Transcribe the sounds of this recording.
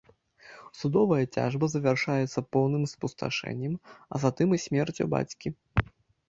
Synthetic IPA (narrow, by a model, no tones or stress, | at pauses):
sud̪ɔvɐjɐt͡sʲa̰ʐbɐzɐvʲarʂajɛt̪sːɐpɔwnɨmspust̪a̰ʂɛ̰nʲːɛmɐ̰zat̪ɨmisʲmʲɛrt͡sʲṵba̰t͡sʲkʲi